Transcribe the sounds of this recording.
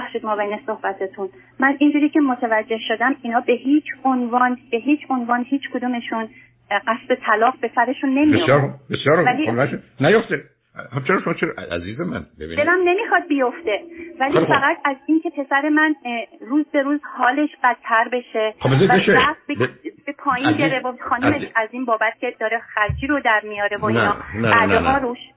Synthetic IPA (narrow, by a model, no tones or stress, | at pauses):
xʃiːd̪mɒːbejneso̞hbæt̪ʰet̪ʰun | mænind͡ʒuːɾiːcʰe̞mot̪ʰævæd͡ʒːe̞hʃod̪æmiːnɒːbe̞ɦiːt͡ʃʰonvɒːnb̥e̞ɦiːt͡ʃʰo̞nvɒːnɦiːt͡ʃʰkʰod̪umeʃun | ɢæsb̪e̞t̪ʰælɒːqbe̞sæɾe̞ʃunːe̞miesojɒɾbesjɒːɾoælimlænʃnæjoft̪e | hat͡ʃʰeɾɒʃomɒt͡ʃʰeɾæ̰ziːzemæ̰nbebḭndelæmne̞miːxɒd̪̚bijo̞ft̪e̞væliæɣæt̪ʰæziːncʰʲe̞pʰe̞sæɾemænruːzbe̞ɾuːzhɒːle̞ʃb̥æd̪̚t̪ʰːæɾbe̞ʃe̞xɒbezeæeʃeæft̪̚beb̥epʰɒːjinbeɾevoxɒːnumeʃæziːnbɒːbæt̪̚cʲed̪ɒːɾexæɾd͡ʒiːɾod̪æɾmijɒːɾe̞voinɒːnbæd̪ehɒːɾuʃ